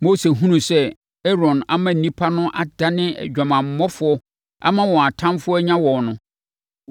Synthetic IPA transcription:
mo˦se˨ɦũ˦nũ˨sɛ˦ | ɛ˦ɾɔ̃˨na˦mã˦n̩˨nĩ˦pʰa˦nʊ̃˦ʔa˨d̥a˦nɪ̃˦ɛ̰˨d͡ʑᶣã˨mã˨m̩˨˦mɔ˦fʊ˦ɔ˦ | a̰˦mã˦wɔ̃˨a˨tʰã˦mfʊ˦ɔ˦ɲã˦wɔ̃˨nʊ̃˨

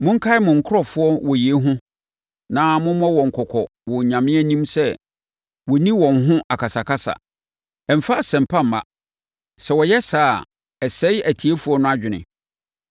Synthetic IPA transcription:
mʊ̃˦ŋ̩˦kʰa˦ɪ˦mʊ̃˨ŋ̩˨kʰʊ˦ɾɔ˦˨fʊ˦ɔ˦wɔ˨je˦ɦʊ̃˦ | nã˦mʊ̃˦mɔ̃˦wɔ̃˨ŋ̩˨kʰɔ˨kʰɔ˨ | wɔ˨ɲã˨mɪ̃˦æ˦nĩ˦msɛ˦ | wɔ˨nĩ˦wɔ̃˨nɦʊ̃˦ʔa˨kʰa˨sa˨kʰa˦sa̰˨ | ɛ˨m̩˨fa˦˨sɛ̃˨m˨pʰã˦m̩ː˨a̰˦˨ | sɛ˨wɔ˨jɛ˦saː˦˨ | ɛ˨sɛ˦jæ˨tʰi˨e˦fu˨˦ɔ˦nʊ̃˦a˦d͡ʑᶣɪ˨nɪ̰̃˨

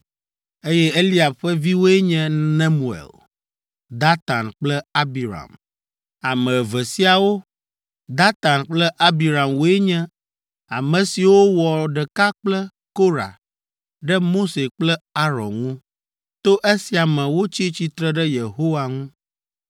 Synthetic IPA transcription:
e˦jɛ˦e˦li˦a˨bɸɛ˦vi˦wo˦ɛ˦ɲɛ̃˦nɛ˦mu˨ḛ˨l | d̪a˦t̪a˨nk͡plɛ˦a˦bi˨ɾa̰˨m | a˨mɛ̃˨vɛ˨si˦a˨wo˦ | d̪a˦t̪a˨nk͡plɛ˦ʔa˦bi˨ɾa˨mwo˦ɛ˦ɲɛ̃˦ | a˨mɛ̃˨si˨wo˦wɔ˨ɖɛ˨ka˦k͡plɛ˦ | ko˦ɾa̰˨ | ɖɛ˦mo˦se˨k͡plɛ˦a˦ɾɔ̰˨nŋũ˦ | t̪o˦ʔe˦si˨a˨mɛ̃˨wo˦t͡ɕi˦t͡ɕi˦t̪ɾɛ˦ɖɛ˦je˨ɦo˦wa˨ŋũ˦

